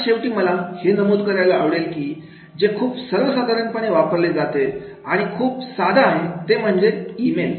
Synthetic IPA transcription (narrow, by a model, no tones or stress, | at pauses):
ɕeʋʈiːməlahenəmoːd̪kəɾjalaːʋɽelkiː | d͡zekʰuːpsəɾʋəsəɡ̪əɾəɳpəɽ̃eʋapəɾled͡zat̪e | aɽ̃ikʰuːpsad̪ʱaːɦet̪em̤əɳd͡zeimel